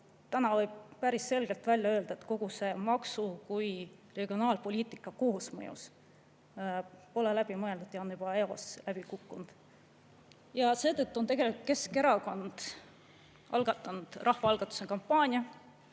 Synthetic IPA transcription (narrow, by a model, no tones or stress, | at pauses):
t̪ænɑvɤjb̥̚pæɾisːe̞lɡ̥e̞lt̪vælʲjɑø̞ːld̪̥ɑe̞t̪ko̞ɡ̥use̞mɑksukujre̞ɡ̥io̞nɑːlpo̞lʲiːt̪ˑikːˑɑkoɦusmɤ̰jṵs | po̞lelæb̥imɤe̞ld̪ud̪jɑonyb̥ɑe̞o̞̰slæb̥ikukːund̪̥ | jɑse̞ːt̪ɤt̪ːuo̞nt̪e̞ɡ̥e̞likut̪̚ke̞ske̞ɾɑko̞nd̪̥ | ʔɑ̰lɡ̥ɑt̪ːˑɑnud̪̥rɑhvɑɑlɡ̥ɑt̪ːˑu̥sekɑmpːˑɑːnʲjɑ